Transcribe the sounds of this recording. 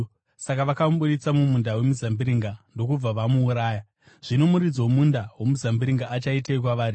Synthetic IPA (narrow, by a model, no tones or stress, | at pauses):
sakaʋakamuɓuɗit͡samumundawe̞muzambiɾiŋɡando̞kub͡vaʋamuːɾaːja | ʐ̥ino̞muɾid͡zo̞mundawomuzambiɾiŋɡaʔat͡ʃaiteikwaʋaːɾi